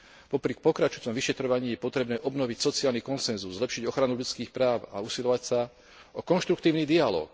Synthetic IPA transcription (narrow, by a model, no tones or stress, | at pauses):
pɔpɾik̚pɔkɾat͡ʃut͡sɔmʋiʃɛt̪ɾɔʋaɲiːjɛpɔt̪ɾɛbnɛːʔɔbnɔʋicsɔt͡siaːlnikɔnsɛnzuzːlɛpʃiɟɔxɾanuʎut͡skiːxpɾaːʊa̰usilʎɔʋacsa | ɔkɔnʃt̪ɾukt̪iːʊnid̪ialɔ̰ːk